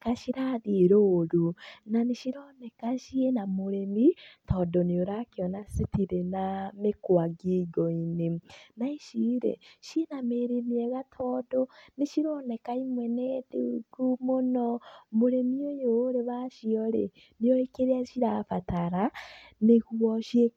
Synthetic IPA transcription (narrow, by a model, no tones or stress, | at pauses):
kaʃiɾaðiɾoːɾunaniʃiɾonekaʃienamuɾemitʰodonijoɾakionasitiɾenamekwaɡiɡoinenaiʃiɾḛʃienameɾemieɣatʰoːdoniʃiɾonekaimweneðiɡumonomuɾemiojoɾeβaʃioɾḛ | nijoɾekeɾiaʃiɾafataɾaneɣuβɔʃie